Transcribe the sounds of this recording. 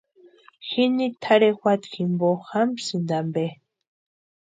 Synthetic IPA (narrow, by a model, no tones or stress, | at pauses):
xinit̪ʰaɾexʷwʷat̪ximboxamsind̪ambe